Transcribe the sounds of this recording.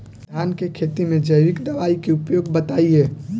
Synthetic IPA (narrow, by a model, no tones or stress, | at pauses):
d̪ʱjankekʰet̪imẽd͡ʒəjɾikd̪əʋaikeupjoɡ̚bət̪aie